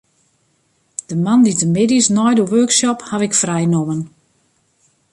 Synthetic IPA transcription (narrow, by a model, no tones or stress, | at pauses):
d̥əmanditəmɪdisnɔjduʋøːksɔphaʋɪkfrɛjnomən